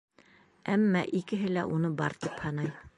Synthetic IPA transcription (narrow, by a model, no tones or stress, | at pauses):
æmːæʔikɘ̆ɦɘlæ̰ʔunɤbɑ̰ɾt̪iphɑnɑj